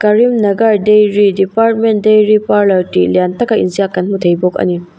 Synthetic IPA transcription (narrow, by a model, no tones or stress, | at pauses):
kɐɾimnɐɡɐɾdejɾidipaɾtmen̚dejɾipaɾlɐɾtḭlijantɐkɐḭnzijakɐnmutʰejbokɐ̰ni